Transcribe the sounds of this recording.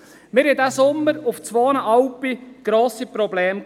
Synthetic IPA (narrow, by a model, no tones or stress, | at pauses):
mɪɾɪdæsʊmːəɾʊft͡sʋoːnəʔɑwpiɡ̥ɾoːsipɾɔblɛːm